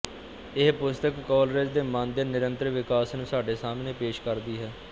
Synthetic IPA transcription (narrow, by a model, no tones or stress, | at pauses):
ɪɦpʊst̪əkːɔːlɾed͡ʒd̪eːmãːnd̪eːnɪɾənt̪ɾəʋɪkaːsnũːsaːɖeːsaːmneːpeːʃkəɾd̪iːɦɛː